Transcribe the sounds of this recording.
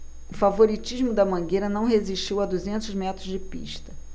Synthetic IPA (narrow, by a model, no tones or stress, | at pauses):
ʊfavoɾit͡ʃiʒmʊd̪ɐmɐ̃ɡeɾɐnɐ̃w̃ɦeziʃt͡ʃiwɐd̪uzẽnt̪ʊzmɛt̪ɾʊzd͡ʒɪpḭʃt̪ɐ